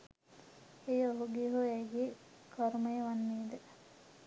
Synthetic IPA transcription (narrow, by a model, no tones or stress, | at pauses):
ejoɦuɡiɦuɛɡe | kʰɔɾməjəʋanːiːd̪ə